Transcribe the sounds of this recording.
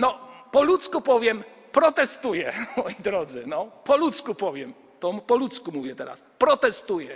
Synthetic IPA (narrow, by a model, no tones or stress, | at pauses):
nɔpɔlut̪skupɔvʲjɛm | pɾɔt̪ɛst̪ujɛmɔjid̪ɾɔd̪zɘnɔpɔlut̪skupɔvʲjɛm | t̪ɔpɔlut̪skumuvʲjɛt̪ɛɾa̰spɾɔt̪ɛst̪ujɛ